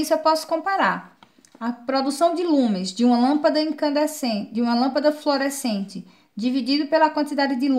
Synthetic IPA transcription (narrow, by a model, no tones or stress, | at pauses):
isʊewpɔsʊ̥kõpaɾaɾ | ɐpɾɔd̪usɐ̃w̃d͡ʒɪlũmɪzd͡ʒɪũmɐlɐ̃pɐd̪ɐẽkɐ̃nd̪esẽd͡ʒɪũmɐlɐ̃mpɐd̪ɐfloɾesẽnt͡ʃɪ | d͡ʒivid͡ʒid̪ʊpelɐkwɐ̃nt̪id̪ad̪ɪd͡ʒɪlũ